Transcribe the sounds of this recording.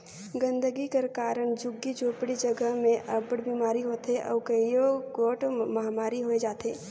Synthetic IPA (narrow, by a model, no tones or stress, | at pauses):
ɡə̃nd̪əɡikeɾkaːɾəɳ̃d͡ʒʊɡːid͡ʒoːpɽid͡ʒəɡəɦmẽʔɐbəɽbiːmaːɾiɦoːt̪eʔɔ̰ːkəjoɡoːʈmɐɦamaːɾiɦoed͡ʒaːt̪eː